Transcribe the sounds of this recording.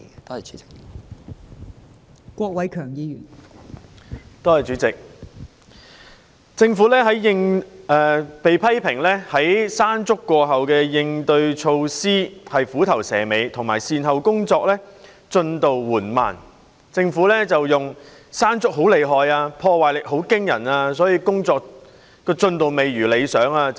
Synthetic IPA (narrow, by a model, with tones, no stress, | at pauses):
t̪o˥hɐ˨jt͡ʃyː˨˦t͡sɪ̥˨k | kʷɔː˧k̚wɐ˨˥jkʰœː˨˩ŋjiː˧jyː˨˩n | t̪o˥hɐ˨jt͡syː˨˥t͡sɪ˨k̚ | t͡sɪ˧ŋfuː˨˥lɛː˥ɦɐ˨˥jːɪ˧ŋɛː˨pe˨jpʰɐ˥jpʰɪ˨˩ŋlɛː˥hɐ˨˥jsaː˥nt͡sʊ˥kːɔː˧ɦɐ˨wkɛː˧jɪ˧ŋt̪ɵ˧ɥt͡ʃʰo˧wsiː˥hɐ˨jfuː˨˥t̪ʰɐ˨˩wsɛ̰ː˨˩me˨˧jt̪ʰʊ˨˩ŋmaː˨˩jsiː˨nɦɐ˨wkʊ˥ŋt͡sɔː˧k̚lɛː˥ | t͡sɵ˧nt̪o˨wːuː˨˩nma̰ː˨˩n | t͡sɪ˧ŋfuː˨˥lɛː˥t͡sɐ˨wjʊ˨ŋ | saː˥nt͡sʊ˥k̚ɦo˨˥wle˨˧jɦɔː˨jaː˧pʰɔː˧waː˨jlɪ˨k̚ho˨˥wkɪ˥ŋjɐ˨˩naː˧sɔː˨˥jiː˧kʊ˥ŋt͡sɔː˧k̚ | kɔː˧t͡sɵ˧nt̪o˨wme˨˧jɥyː˨˩le˨˧jsœː˨˥ŋaː˧